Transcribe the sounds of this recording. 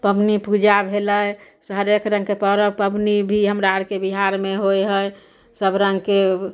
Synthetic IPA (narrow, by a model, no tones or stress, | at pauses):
pəbnipud͡ʒabʱeləj | sɦəɾekɾə̃ŋɡkepəɾəpəbnibʱiɦəmɾaɾkebiɦaɾmeɦojɦəj | səbɾəŋɡke